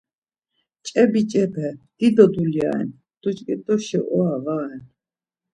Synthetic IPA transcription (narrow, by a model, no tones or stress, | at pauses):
t͡ʃʼɛbit͡ʃʼɛbɛd̪̥id̪ɔd̪ulja̰ɛ̰n | d̪̥ut͡ʃʼkʼit̪ʼɔʃɛ̰ʔɔavaɛn